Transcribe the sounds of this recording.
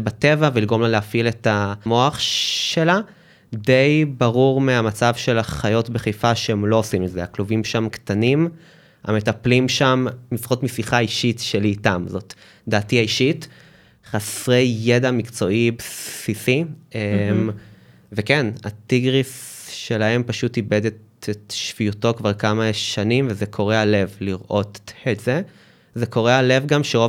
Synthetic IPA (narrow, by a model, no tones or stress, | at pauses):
bate̞vavelilɡo̞mlaleafile̞tamo̞aχʃe̞la | de̞jbaʁuʁmeamat͡savʃe̞laχajo̞tbeχejfaʃeemlo̞osimezeaklovimʃamkt̪anim | a̰metaplimʃamːifχotmisiχaiʃitʃeliːtamzo̞t̪ | d̪aːtiaiʃit | χasʁejːe̞damikt͡so̞ʔibsisiem | vekena̰t̪iɡʁisʃe̞lahe̞mpaʃutibed̪et̪etʃv̥ijuto̞kvaʁkamaʃanimvezekʰo̞ʁealevliʁʔo̞teze | zeko̞ʁeale̞vɡamʃeʁo